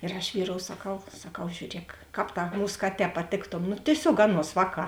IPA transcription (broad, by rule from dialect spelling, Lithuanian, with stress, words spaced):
ɪr ɐʃ ˈʋʲiːˌroːʊ sɐˈkɐʊ sɐˈkɐʊ ʒʲuːˈrʲiɛk ˈkɑːp ˈtɑː ˈmuːs ˈkɑːˌtʲɛː pɐˈtʲeːktoːm nʊ tʲiɛˈsʲoːk ˈɑːˌnuɔs ˈʋɑːˌkɑː